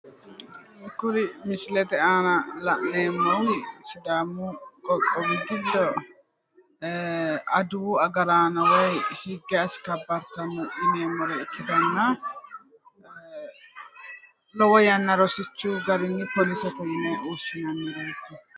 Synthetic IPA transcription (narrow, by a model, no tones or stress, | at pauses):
mɪkʊɾɪmɪslɛt̪ɛaːnɐlɐʔneːmːɔwɪsɪd̪aːmʊkʼɔkʼːɔwɪɡɪd̪ɔ | ɐd̪ʊwɐɡɐɾaːnɐwɔjhɪɡːɛɐskɐbːɐɾt̪ɐmʊʔɪneːmːɔɾɛɪkʰːɪd̪ɐnːɐ | lɔwɔjɐnːɐɾɔsɪt͡ʃːuɡɐɾɪnːɪpɔnɪsɔt̪ɔɪnɛusɪnɐmːɪɾeːtːɐ